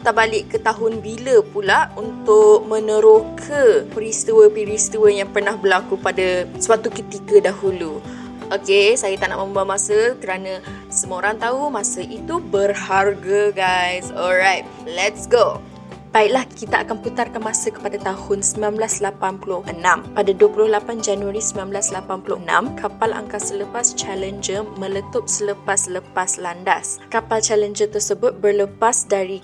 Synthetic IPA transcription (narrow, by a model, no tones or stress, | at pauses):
t̪aʔbalɪʔkːət̪aɦʊnbiləpulaunt̪ʊk̚mə̃nə̃ɾokʰəpɾist̪uwəpiɾist̪iwəjaŋpərnahbərlakupadaswat̪ukət̪ikədaɦulu | ʔokesajat̪aʔnaʔmə̃mbamasəkəɾanã | səməoɾaŋt̪aumãsəʔit̪ubərharɡəɡajsɔlɾajt̪̚lɛtsɡo | b̥aɪʔlahkit̪aʔa̰kanput̪arkanmãsəkə̥padat̪ahʊnsəminãnblaslapanpulʊhʔənãmpadaduəpulʊhlapand͡ʒanuaɾisəminãnmblaslapanpulʊnã̰mkʰapala̰ŋkasələpast͡ʃalənd͡ʒəmə̃lət̪ʊp̚sələpasləpaslandaskapalt͡ʃalənd͡ʒət̪ərsəbʊt̪̚bərləpasdaɾi